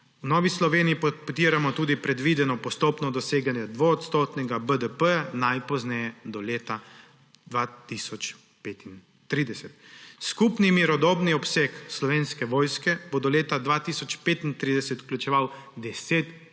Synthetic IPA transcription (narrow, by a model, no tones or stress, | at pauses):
unɔːʋislɔʋeːniippt̪iːɾamɔt̪uːd̪ipɾɛd̪ʋid̪ɛnɔpɔst̪opnɔd̪ɔseːɡanjɛd̪ʋoːt̪st̪oːt̪nɛɡabəd̪əpəjanajpɔznɛjɛd̪ɔleːt̪a | d̪ʋaːt̪isɔt͡ʃ | peːt̪in | t̪ɾiːd̪ɛsɛt̪skupnimiɾɔd̪ɔːbniɔpsekslɔʋeːnskɛʋɔːjskɛbod̪ɔleːt̪ad̪ʋat̪isɔt͡ʃpeːt̪int̪ɾid̪ɛsɛt̪u̥klʲut͡ʃɛʋawd̪ɛseːt̪